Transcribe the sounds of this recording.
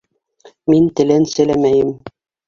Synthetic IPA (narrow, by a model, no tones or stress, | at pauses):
mint̪ɘ̆lɘnsɘ̆læmæjɘm